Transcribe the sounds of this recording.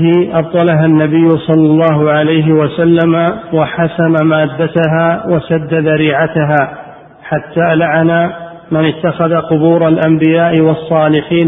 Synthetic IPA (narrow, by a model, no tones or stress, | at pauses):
hɪʔɑb̚t̪ˤɑlaɦanːabɪjːʊsˤɑlːɑlˤːɑːɦʊʕalajɦɪwasalːamawaħasanamaːd̪ːat̪aɦaːwasad̪ːaðaɾiːʕat̪aɦaː | ħat̪ːaːʔlaʕana | mɪnɪt̪ːaxaðaqʊbuːɾˤalʔambɪjaːʔɪwɑsˤːɑːlɪħiːn